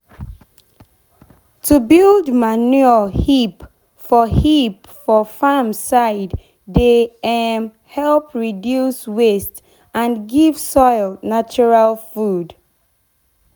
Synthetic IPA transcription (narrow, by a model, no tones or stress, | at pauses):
tʰubilˠdmanuəhip | fɔhip | fɔfamsaɪdː | eɛm | hɛlˠpɹidjuswest | ãnɡivsɔɪlnat͡ʃɔɹalfud